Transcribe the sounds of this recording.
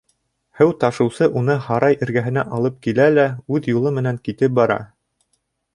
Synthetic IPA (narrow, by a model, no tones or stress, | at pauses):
hɘwt̪ɑʃɤ̆wsɤʔunɤhɑɾɑjʔɘ̆ɾɡæɦɘ̆næ̰ʔɑlˠɤp̚kilælæʉðjulˠɤmɘ̆næŋkit̪ɘp̚bɑɾɑ̰